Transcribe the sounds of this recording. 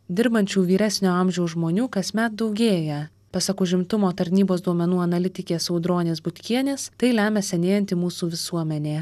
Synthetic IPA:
d̪ʲɪɾbɐnʲt͡ʃʲuːʋʲiːɾʲæːsʲnʲoːɐmʲʒʲɛʊsʒmoːnʲuːkɐsʲmʲɛt̪̚d̪ɒʊɡʲeːjɛ | pɐsɐkʊʒʲɪmt̪ʊmoːt̪ɐɾʲnʲiːboːsd̪uɔmʲɛnuːɐnɐlʲɪt̪ʲɪkʲeːsɐʊd̪ɾoːnʲeːsbʊt̪ʲkʲiɛnʲeːst̪ɐɪlʲæːmʲɛsʲɛnʲeːjɛnt̪ʲɪmuːsuːʋʲɪsuɔmʲɛnʲeː

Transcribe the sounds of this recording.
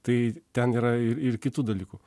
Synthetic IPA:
t̪ɐɪt̪ʲɛniːɾɐɪɾɪɾkʲɪt̪uːd̪ɐlʲiːkuː

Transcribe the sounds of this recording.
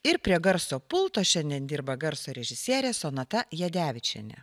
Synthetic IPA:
ɪɾpʲɾʲiɛɡɐɾsoːpʊlˠt̪oːʃʲɛnʲd̪ʲiɛnd̪ʲiːɾbɐɡɐɾsoːɾʲɛʒʲɪsʲiɛɾʲeːsoːnɐt̪ɐjɛd̪ʲæːʋʲɪt͡ʃʲɛ̰nʲɛ̰

